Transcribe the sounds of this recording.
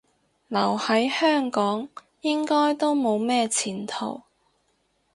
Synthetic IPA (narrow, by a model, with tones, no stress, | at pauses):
lɐ˨˩whɐ˨˥jhœː˥ŋkɔː˨˥ŋ | jɪ˥ŋkɔː˥jt̪o˥wmo˨˧wmɛː˥t͡sʰiː˨˩nt̪ʰo̰˨˩w